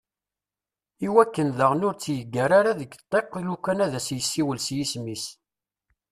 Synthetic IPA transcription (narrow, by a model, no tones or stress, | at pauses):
iwækːənðəʁnʊɾt͡sːjəɡːæɾaɾaðəɡt̪ˤːeqːlukːænæðæsjəsːiwəlsjismis